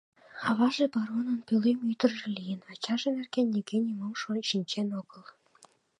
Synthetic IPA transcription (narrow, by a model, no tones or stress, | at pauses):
χɑβɑʒĕbɑɾonə̆npʲølemyt̪ə̆rʒĕlʲijənɑt͡ɕɑʒĕmerkenʲːiɡenʲimomʃoʃinʲt͡ɕenoɡə̆lˠ